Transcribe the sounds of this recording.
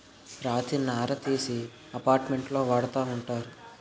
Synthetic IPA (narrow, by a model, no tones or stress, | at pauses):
ɾaːt̪inaːɾɐt̪iːsi | ɐpaːɾʈme̞ɳʈlo̞ːʋaːɽɐt̪aːuɳʈaːɾu